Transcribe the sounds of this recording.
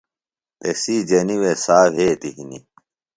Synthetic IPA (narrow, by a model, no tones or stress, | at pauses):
t̪esiːd͡ʑɐniwesaːwɦeːt̪iɦinḭ